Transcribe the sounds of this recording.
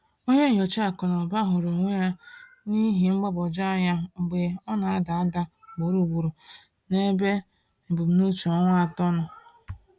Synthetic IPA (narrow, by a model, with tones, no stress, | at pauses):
o˦ɲe˦˨ɲo˨t͡ʃa˨kɔ˨nɔ˨ba˦ɦʊ˨ɾo˨ŋʷe˦a˦ | ni˦ɦi˨ŋ͡m̩˦ɡ͡bɔ˦bɔ˨d͡ʒa˦ɲa˦˨ɡ͡be˨ɔ˦na˨a˦da˨a˦da˦˨ | ɡ͡bo˨˦ɾu˨ɡu˨ɾu˨ | ne˦be˦ | m̩˨bu˨m̩˨nu˦t͡ʃu˨ɔ˦ŋʷa˦a˨tɔ˦nʊ˨